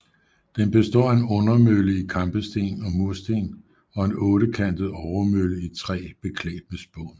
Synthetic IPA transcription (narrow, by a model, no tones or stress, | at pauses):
d̥enb̥e̝sd̥ɒ̰ːe̝nɔ̽nɐmøləikʰɑ̈mb̥əsd̥e̝̰ːnɒ̽muɐ̰sd̥e̝̰ːn | ɒ̽e̝nɔ̽ːɾ̥əkʰæn̰d̥əð̩ˠɒʊɐmøləit͡sʰʁɛ̰ːb̥e̝kʰlɛ̰ːd̥məsb̥ɔ̰ːn